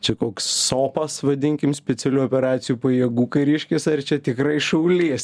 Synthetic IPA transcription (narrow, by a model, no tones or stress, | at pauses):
t͡ʃʲɛkoːksːoːpɐsʋɐd̪ʲɪŋʲkʲɪmsʲpʲɛt͡ssʲɛlʲuːopʲɛɾɑːt̪sʲɪjuːpɐjɛɡuːkɐɾʲɪʃʲkʲɪsɐrt͡ʃʲɛt̪ʲɪkrɐɪʃɐʊlʲiɛs